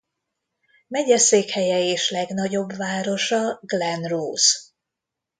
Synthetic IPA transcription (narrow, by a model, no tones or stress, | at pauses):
mɛɟɛseːkhɛjɛeːʃlɛɡnɒɟo̞bvaːɾo̞ʃɒɡlɛnroːz